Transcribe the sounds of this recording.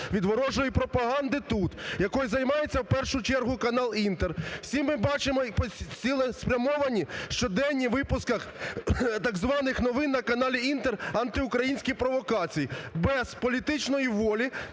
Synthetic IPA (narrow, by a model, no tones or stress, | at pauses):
ʋʲid̪ʋɔɾɔʒɔjipɾɔpɐɦɑnd̪ɪt̪ut̪jɐkɔjizɐjmɑjet͡sʲːɐwpɛrʃʊt͡ʃɛrɦʊkɐnɑlˠint̪erwsʲimːɪbɑt͡ʃɪmɔpt͡sʲilˠɛspɾʲɐmɔʋɐnʲiʃt͡ʃɔd̪ɛnʲːiʋɪpʊskɐx | t̪ɐɡzʋɑnɪxnɔʋɪnːɐkɐnɑlʲiint̪erɐnt̪ɪʊkɾɐjinʲsʲkʲijpɾɔʋɔkɑt͡sʲijibɛz̥pɔlʲit̪ɪt͡ʃnɔjiʋɔlʲi